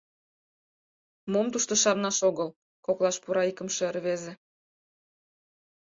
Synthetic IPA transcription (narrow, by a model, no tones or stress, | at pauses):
momt̪uʃt̪ŏʃɑrnɑʃoɣəl | koklˠɑʃpuɾɑikə̆mʃĕrβeze